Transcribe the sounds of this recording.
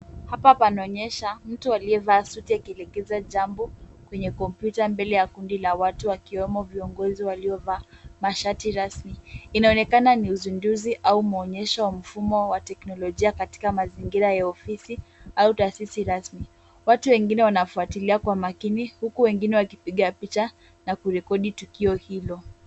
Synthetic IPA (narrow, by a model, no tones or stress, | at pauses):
hapapanaɔɲɛʃam̩tualiɛvaːsutiakiɛlɛɡɛzaʄambɔkwɛɲɛkɔmpjutambɛlɛjakundilawatuwakiwɛmɔviɔŋɡɔziwaliɔvaːmaʃatiɾasmiinaɔnɛkananiuzinduziʔaumuɔɲɛʃawam̩fumɔwatɛknɔlɔʄiakati̥kamaziŋɡiɾajaɔfisiautaːsisiɾasmi | watuwɛŋɡinɛwanafuatiliakwamakinihukuwɛŋɡinɛwakipiɠapit͡ʃa | nakuɾɛkɔɗitukiɔhilɔ